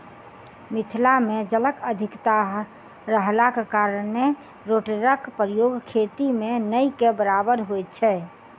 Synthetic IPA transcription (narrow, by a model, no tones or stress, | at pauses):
mɪt̪ʰlamẽd͡ʒələkəd̪ʱɪkt̪aɦ | ɾəɦlakekaːɾəne | ɾoʈəɾəkpɾəjoɡkʰet̪imẽnəikebəɾabəɾɦojt̪̚t͡ʃʰɛ